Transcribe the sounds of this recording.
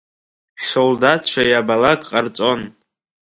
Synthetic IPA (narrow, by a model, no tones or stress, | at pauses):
ʃoldat͡st͡ʃʷʰajabalakʼqʼart͡sʷʼon